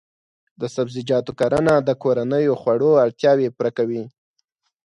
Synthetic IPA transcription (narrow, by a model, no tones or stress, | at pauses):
d̪əsabzɪd͡ʒɑt̪okaɾanad̪əkoɾanəjoxwaɽoaɽt̪jɑwepɾakawi